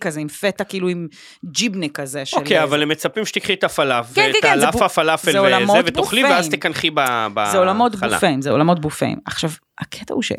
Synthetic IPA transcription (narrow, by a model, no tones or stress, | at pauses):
kazeimfetakiiːluim | d͡ʒibnekɐzeʃoelkejavalemːet͡sapimʃe̥t̪ikχiet̪afalafvketelafafalafzeeolamoeveb̪ouχliveazmt̪ekanχibabazeolamo̞t̪bula̰feimzeolamo̞t̪̚bufḛḭmaχʃav | akʰet̪a̰huʃḛ